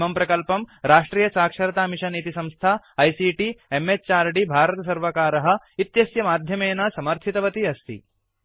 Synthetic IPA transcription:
ɐmpɾɐkɐlpɐmɾaːʂʈɾiːjɐsaːkʂɐɾɐt̪aːmiʃɐnit̪isɐ̃mst̪ʰaː | ɐjsiːʈiemest͡ʃaːɾɖibʱaːɾɐt̪ɐsɐɾʋɐkaːɾɐɦɐ̆ | it̪jɐsjɐmaːd̪ʱjɐmeːnɐsɐmɐɾt̪ʰit̪ɐʋɐt̪iɐst̪ʰḭ

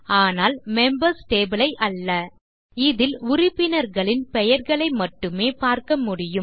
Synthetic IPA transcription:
aːnaːlmɛmbɐɾsʈeːbɪlɐɪʔɐlːɐ | ɪðɪlʊɾɪpːɪnɐɾɣɐɭɪnpɛjɐɾɣɐɭɐɪmɐʈːɯmeːpaːɾkɐmʊɽɪjɯm

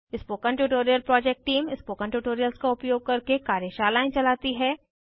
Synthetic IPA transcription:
ɪspoːkə̃ɳʈuːʈoːɾijəlpɾɔːd͡ʒɛk̚ʈːiːmɪspoːkə̃ɳʈuʈoːɾijəlskaʊpjoːɡ̚kɐɾkekaːɾjeʃaːlaːɪ̃nt͡ʃɐlaːt̪iɦɛː

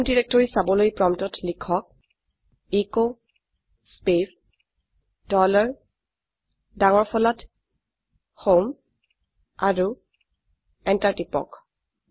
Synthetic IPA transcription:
ndiɹɛk̚tɔɹisabɔlojpɹɔmtɔtlikʰɔk̚ | iko | spep | d̥ɔlɔɹ | daŋɔɹpʰɔlɔt | hom | a̰ɹu | ɛntaɹtipɔ̰k

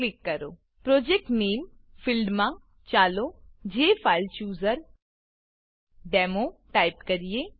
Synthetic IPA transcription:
klɪkːɐɾoː | pɾoːd͡ʒek̚ʈneːmfɪlɖmã | t͡ʃaːlod͡ʒeːfʰaːɪlt͡ʃjuːzəɾ | ɖɛːmoʈaːɪpkɐɾijeː

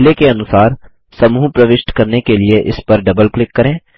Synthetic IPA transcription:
lekeɐnʊsaːɾ | sɐmuːɦpɾɐʋɪʃʈkɐɾnekelieʔɪspɐɾɖɐbəlklɪkːɐɾẽː

